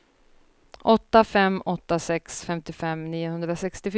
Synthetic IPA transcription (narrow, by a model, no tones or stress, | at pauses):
ʔɔt̪ːafɛmːɔt̪ːasɛksfɛmt̪ɪfɛmniːʊhɵnd̪ɾasɛkst̪ɪf